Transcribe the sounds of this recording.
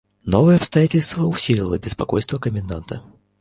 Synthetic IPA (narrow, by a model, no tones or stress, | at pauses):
novəjəɐpst̪ɐjatʲɪlʲst̪vəʊsʲilʲɪlˠəbʲɪspɐkojst̪vəkəmʲɪnd̪ant̪ʰə